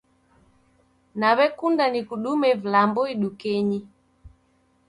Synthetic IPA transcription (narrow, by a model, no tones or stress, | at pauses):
naβɛkundanikuɗumɛvlambɔiɗukɛɲi